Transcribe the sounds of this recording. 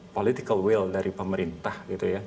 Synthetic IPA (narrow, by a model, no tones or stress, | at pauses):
polit̪ikəlwɪldaɾʔipəməɾint̪ahɡit̪uja